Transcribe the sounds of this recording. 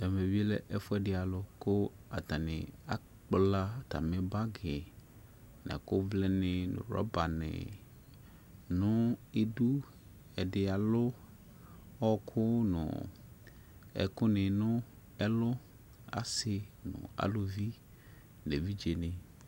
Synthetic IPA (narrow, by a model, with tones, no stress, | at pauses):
ɛ˨me˨vi˦lɛ̰˦˨ʔɛ˦fʊ˦ɛ˦˨dɪ˨a˨lʊ˦kʊ˦a̰˨t̪a˨nɪ̰̃˨a̰˦ | k͡pla˦t̪a̰˨me˨ba˦ɡɪ˨ | na̰˨kʊ˦vlɛ˦nɪ̃˨nʊ̰̃˨ɾɔ̰˦ba˨nɪ̰̃˨ | nʊ̃˦e˦˨du˦ | ɛ˨dɪ˨a˨lʊ˦ | ɔ˦kʰʊ˦nʊ̰̃˨ | ɛ̰˨kʊ˦nɪ̃˨nʊ̃˦ | ɛ˦lʊ˦ | a̰˨sɪ˦nʊ̰̃˨a̰˨lʊ˦vi˦ | ne˨vi˦d͡ʒe˨nɪ̃˨